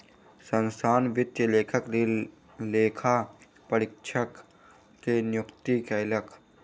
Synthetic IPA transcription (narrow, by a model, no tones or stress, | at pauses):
sənsaːnʋɪt̪jəleːkʰəkli | leːkʰa | pəɾɪkʃʰəkː | enjʊkt̪ikɐɪləkʰ